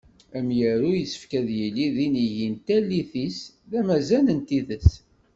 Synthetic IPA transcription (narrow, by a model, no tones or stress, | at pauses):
æmjəɾujəsə̥fkæðjəlːiðiniʝint̪ælːiθis | ðæmæzælənt̪iðəs